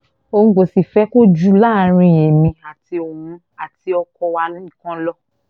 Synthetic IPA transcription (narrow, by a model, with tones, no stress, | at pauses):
o˧ũ˦ɡ͡bo˨˧˨si˨fɛ˦ko˦d͡ʒu˦la˦˨˧ɾ̃ĩ˧˨je˨mĩ˧a˨ti˧o˨mũ˧ | a˨ti˧ɔ˧kɔ˧wa˦˧lkã˦lɔ˦